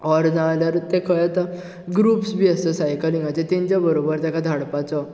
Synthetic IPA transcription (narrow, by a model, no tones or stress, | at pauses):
ɔɾd͡zãljaɾt̪ekʰəjat̪a | ɡɾupsbiəst̪əsajkəlĩŋɡat͡ɕet̪ẽɲt͡ɕjabəɾobəɾt̪jakad̪ʱaɽpat͡sɔ